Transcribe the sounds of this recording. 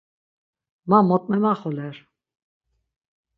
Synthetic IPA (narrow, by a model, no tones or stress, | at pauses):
mamɔt̪̚ʼmɛmaχɔlɛɾ